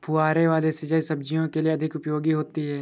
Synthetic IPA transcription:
pʰʊaːɾeʋaːlesɪd͡ʒəjsɐb̚d͡ʒijõkelieɐd̪ʱɪkʊpjoːɡiɦoːt̪iɦɛː

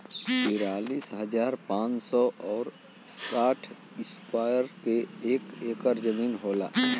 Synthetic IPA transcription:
t̪iːɾaːliːsɦəd͡ʒaːɾpãːt͡ʃsɔʔɔːɾ | saːʈʰ | ɪskwaːjəɾkeeːkeːkəɾd͡ʒəmiːnɦoːla̰ː

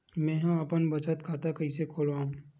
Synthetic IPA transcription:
mɛ̃ːɦãɐpənbɐt͡ʃət̪kʰaːt̪akɐisekʰoːlaːɦũ

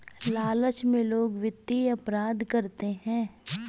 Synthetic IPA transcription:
laːlət͡ʃmẽloːɡʋɪd̪iɐpɾaːd̪kɐɾt̪eɦɛ̃ː

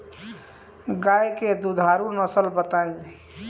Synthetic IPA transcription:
ɡajked̪ud̪ʱaɾunəsəlbət̪aĩ

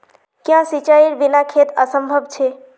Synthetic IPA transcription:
kjãsit͡ʃaiɾbinakʰet̪əsəmbʱəbt͡ʃʰe

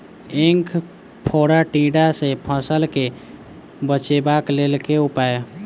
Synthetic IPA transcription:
eŋkʰ | pʰoɾaʈĩɖasẽpʰə̃səlke | bət͡ʃebaklelkeupaj

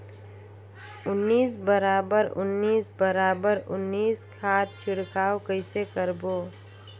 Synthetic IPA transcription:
ʊnːiːsbəɾaːbəɾʊ̰nːiːsbəɾaːbəɾʊ̰nːiːskʰaːt̪̚t͡ʃʰɪɽkaːokəɪsekəɾboː

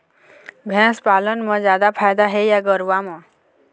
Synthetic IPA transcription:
bʱɛ̃spalənmʌ̃d͡ʑjad̪apʰajd̪aɦejaɡəɾʋamʌ

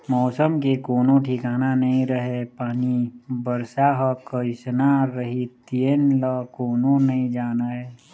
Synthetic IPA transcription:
mɔːsəmkekoːnõʈʰikaːnanɐɦĩɾəɦepaːnibəɾsaɦəkəɪsnaɾəɦit̪ienləkoːnõnɐɦĩd͡ʒaːnaɦɛː

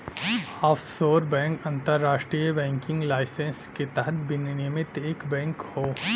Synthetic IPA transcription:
aːfʰsoːɾbɛ̃ːŋkɐ̃nt̪əɾːaːʃʈɾiːjəbɛ̃ːŋkɪ̃ŋɡlaːɪsẽnsket̪ɐɦət̪bɪnnimɪt̪eːkbɛ̃ːŋkhoː

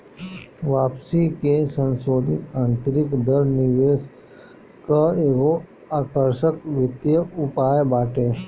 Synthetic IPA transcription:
ʋaːpsikesə̃nsoːd̪ʱɪt̪ãːnt̪əɾɪkd̪əɾnɪʋeːs | kaeːɡo | aːkəɾʃəkʋɪt̪jəʊpaːjbaːʈeː

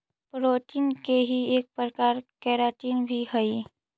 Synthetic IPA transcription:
pɾoːtɪnkeɦieːk̚pɾəkaːɾkɛːɾaːt͡ʃiːnbʱiɦɐi

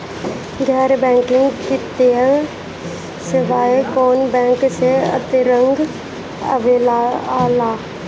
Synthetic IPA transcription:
ɡɛːɾbɛ̃ːŋkɪ̃ŋɡkɪt̪eə | sɪʋaːekoːnbɛ̃ːŋkseɐ̰t̪ɪɾə̃ŋɡ | ə̰ʋelaaːlaː

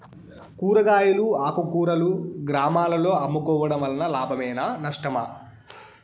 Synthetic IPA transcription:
kuːɾɐɡaːjuluaːkukuːɾɐluɡɾaːmaːlɐlo̞ːɐmːukɔːʋɐɽɐmʋɐlɐnɐlaːbʱɐmɛːnanɐʂʈɐmɐ̰

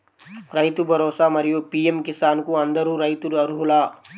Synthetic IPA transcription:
ɾɐjt̪ubʱɐɾoːsamɐɾijopiːemkɪsaːnkuɐnd̪əɾuɾɐjt̪uɾɐɾɦulaː

